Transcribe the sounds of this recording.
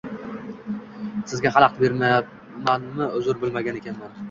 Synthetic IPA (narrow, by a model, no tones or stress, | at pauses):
sɪzɡʲaχɑlˠɑq̚t̪beɾmaja | manmɪʊzʊɾbɪlmaɡʲane̞kʲʰanman